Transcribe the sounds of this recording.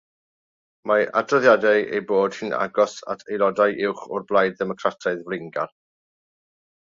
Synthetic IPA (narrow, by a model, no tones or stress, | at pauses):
maʔa̰drɔðjadaḛjboːd̥hɪna̰ɡɔsa̰tʰejlˠɔdajʔɪwχʊrblˠajdðɛmɔkʰratʰaɨðvlɪŋɡa̰l